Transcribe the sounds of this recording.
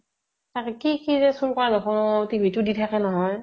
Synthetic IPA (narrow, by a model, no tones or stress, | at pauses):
takɛkikizɛsulkɔɹanɔxʰɔnɔtibʱitʊditʰakɛnɔɦɔj